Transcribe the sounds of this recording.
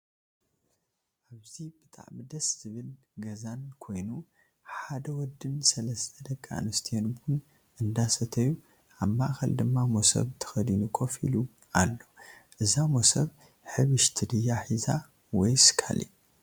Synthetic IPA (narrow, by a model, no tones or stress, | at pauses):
ʔaβzibɨt̪ʼa̰ʕmɨd̪ɐsz̥ɨβɨl | ɡɐzankʰo̞jnu | ħad̪ɐwɔd̪ːɨnsɐlɐst̪ʰɐd̪ɐkʼːa̰nɨst̪ʰijɐnbun | ʔɨnd̪asɐt̪ʰɐju | ʔamːaʔxɐld̪ɨmːamosɐ̰βt̪ʰɨ̥xɐd̪inukʰʼo̞fḭlu | alːo̞ʔɨzamo̞sɐβ | ħɨβɨʃt̪ʰɨd̪ɨjaħiza | wɔjsɨ̥kʰa̰lḭ